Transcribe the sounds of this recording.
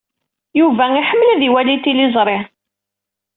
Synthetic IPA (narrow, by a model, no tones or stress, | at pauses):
juvæiħəmːəliðiwælit̪ilizˤɾˤɪ